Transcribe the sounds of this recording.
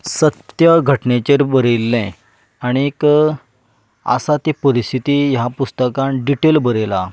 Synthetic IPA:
sət̪jəɡʱəʈnet͡ɕeɾbəɾelːɛ̃ | aɽ̃iek | ə̰sat̪ipəɾist̪ʰit̪iːjapust̪əkãnɖiʈelbəɾela

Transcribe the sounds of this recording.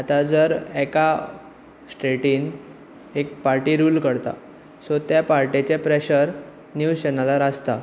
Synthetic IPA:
at̪ad͡zəɾɛka | sʈeʈiːn | ek̚paɾʈiːɾuːlkəɾt̪a̰ | sot̪japaɾʈet͡ɕepɾeɕəɾ | njut͡ɕɛnalaɾəst̪a

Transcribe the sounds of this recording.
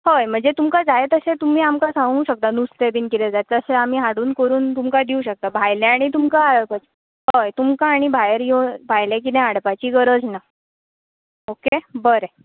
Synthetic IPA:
hojm̤əɳd͡zet̪umkad͡zajet̪əset̪um̤iːamkasãŋɡũɕək̚t̪anust̪ebiːnkit̪ɛd͡zat̪əseam̤iːɦaɽuːnkəɾuːnt̪umkad̪iuɕək̚t̪abʱajlẽaɽ̃it̪umkaɭəpət͡ɕ | ɦojt̪umkaːɽ̃ibʱajəɾjobʱajlẽk̬it̪ɛ̃ɦaɽpat͡ɕiːɡəɾəd͡zna | okebəɾe

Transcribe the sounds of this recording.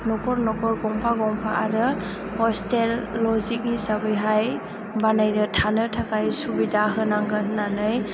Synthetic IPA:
nɔkʰɔɾnɔkʰɔɾɡɔŋpʰaɡɔŋpʰaʔaɾɯ | hɔstelːɔzik̚nisabɯjɦaj | banajɾɯtʰanɯtʰakajsubidaɦɯnaŋɡɯɦnanɯj

